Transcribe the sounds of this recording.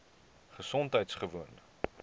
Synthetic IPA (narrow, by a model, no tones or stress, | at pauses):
χəsɔntɦəjtsχəvuən